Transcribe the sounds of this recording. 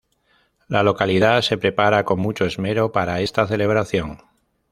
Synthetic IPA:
lalo̞kaliðase̞pɾe̞paɾako̞ŋmut͡ʃo̞ezme̞ɾo̞paɾae̞st̪aθe̞le̞β̞ɾaθjo̞ŋ

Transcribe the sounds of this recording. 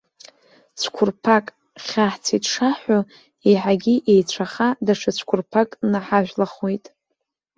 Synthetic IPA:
t͡sʷʰkʷʰʊrpʰakʼ | χʲaħt͡sʰitʰʼʂaħo | eħaɡʲiʔejt͡ɕʷʰaχadaʂʰat͡sʷʰkʷʰʊrpʰakʼnaħaʒᶣʷlaχwejtʼ

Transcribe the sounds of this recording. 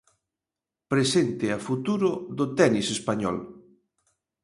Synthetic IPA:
pɾesent̪ɪafut̪uɾʊðʊt̪ɛnisespaɲɔ̰l

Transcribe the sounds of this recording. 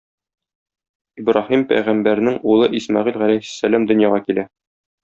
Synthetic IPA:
ibɾɑhimpæ̰jʁæmbæɾnɘŋulˠɤʔismɑʁilʁælæjssːælæmd̪ɵ̆njɑʁɑkilæ

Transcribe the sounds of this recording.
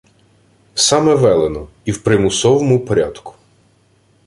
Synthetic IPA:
sɑmɛʋɛlˠenɔ | iwpɾɪmʊsɔʋɔmʊpɔɾʲa̰d̪kʊ̥

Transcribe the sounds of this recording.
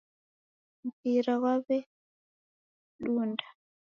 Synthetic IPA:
m̩piɾaɣwaβɛ | ɗundḁ

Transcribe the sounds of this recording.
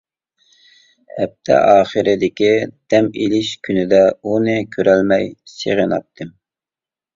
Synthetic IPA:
ɛp̚t̪ʰɛ̰ʔɑːχəɾɪd̪ɪkʲid̪̥ɛmilɪʃkʲʰynɪd̪ɛunɨkʲʰøɾɛlmɛjsḛʁənɑ̰pt̪ʰːɨm

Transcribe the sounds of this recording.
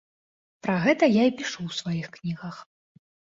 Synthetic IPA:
pɾaɣɛt̪ɐjaipʲiʂuwsvajixknʲiɣɐx

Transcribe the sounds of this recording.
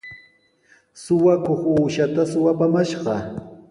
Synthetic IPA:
sʊwakoχuːʃat̪asʊwapamaʃɢɑ

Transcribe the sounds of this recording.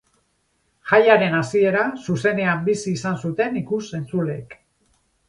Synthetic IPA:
ʝajaɾe̞nasie̞ɾasuse̞ne̞ambisiːsansut̪e̞nikuse̞nt͡suleːk

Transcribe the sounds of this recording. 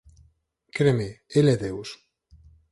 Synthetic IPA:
kɾemeelɛðews

